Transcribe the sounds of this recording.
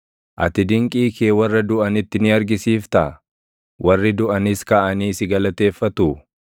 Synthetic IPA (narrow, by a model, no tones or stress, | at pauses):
ʔɐ̰t̪ɪd̪ɪŋkʼiːkeːwɐrːɐd̪ʊʔɐnɪt̪ːɪnɪɐɾɡɪsiːft̪ɐ | wʔɐrːɪd̪ʊʔɐnɪskɐʔɐniːsɪɡɐlɐt̪e̞ːfːɐt̪ʊ